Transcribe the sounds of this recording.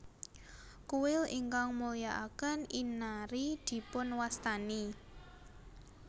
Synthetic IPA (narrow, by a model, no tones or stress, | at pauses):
kuwɪliŋkaŋmulijaʔakəninaɾid̪̥i̤pʊnwast̪ani